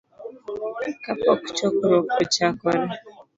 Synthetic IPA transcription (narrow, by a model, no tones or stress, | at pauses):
kapɔ̰kʊ̥t͡ʃɔkʊɾokot͡ʃakɔɾe